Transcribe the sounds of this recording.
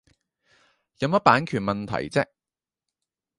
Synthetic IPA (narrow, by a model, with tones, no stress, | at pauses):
jɐ˨˧mɐ˥t̚paː˨˥nkʰyː˨˩nmɐ˨nt̪ʰɐ̰˨˩jt͡sɛ˥k̚